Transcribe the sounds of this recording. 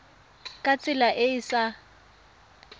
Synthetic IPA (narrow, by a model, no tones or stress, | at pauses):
kʼat͡sʼɪlaʔɪɪsa